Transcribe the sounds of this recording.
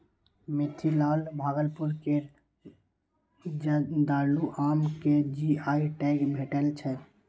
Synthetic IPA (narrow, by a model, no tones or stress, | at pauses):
mit̪ʰilalbʱaːɡəlpuɾke | d̪aːluʔamked͡ʒiaiʈɛɡbʱeʈɛlt͡ʃʰɛ